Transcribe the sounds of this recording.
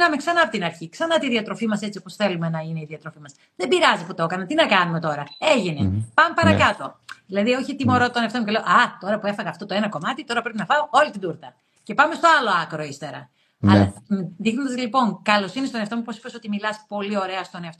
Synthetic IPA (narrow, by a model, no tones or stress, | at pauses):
nɐmeksɐnɐːpot̪inɐɾçiksɐnɐt̪iðiɐt̪ɾo̞fimɐse̞t͡siopo̞sθe̞lume̞nɐineiðiɐt̪ɾo̞fimɐs | ðebiɾɐziput̪ookɐnɐt̪inɐkɐnume̞t̪o̞ɾɐeʝinḛpɐmepɐɾɐkɐt̪o̞ðilɐðio̞çit̪imo̞ɾot̪oneɐft̪o̞muce̞leoʔɐt̪o̞ɾɐpue̞fɐɣɐːft̪o̞t̪oenɐko̞mɐt̪it̪o̞ɾɐpɾe̞pinɐfɐoo̞lit̪id̪uɾt̪ɐ | ce̞pɐmest̪oɐlo̞ɐkɾo̞ist̪e̞ɾɐ̰ | ɐlɐðixnond̪ɐzlipo̞ŋkɐlo̞sinist̪o̞neɐft̪o̞muposipeso̞t̪imilɐspo̞lio̞ɾe̞ɐst̪o̞neɐft̪o